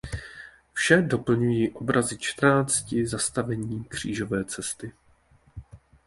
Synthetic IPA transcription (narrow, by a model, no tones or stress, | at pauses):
fʃɛdo̞pl̩ɲujiːʔo̞bɾazɪt͡ʃt̪r̩naːt͡scɪzast̪avɛɲiːkr̝̥ḭːʒo̞vɛːt͡sɛst̪ɪ